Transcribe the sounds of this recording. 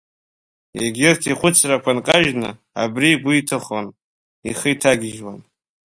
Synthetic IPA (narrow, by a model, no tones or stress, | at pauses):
eɡʲɪrtʰiχʷʊt͡sʰrakʷʰankʼaʒnɨ̰ | a̰briɡʷiitʰɨχan | iχəjtʰaɡʲɪʒwa̰n